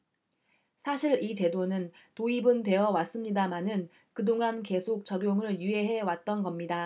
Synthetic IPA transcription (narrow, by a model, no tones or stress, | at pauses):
sʰaɕʰiɾit͡ɕe̞donɯntoibɯntwe̞ʌwas͈ɯmɲidamanɯn | kɯdoŋanke̞sʰok̚t͡ɕʌɡjoŋɯɭjyɦe̞ɦe̞wat̚t͈ʌnɡʌmɲida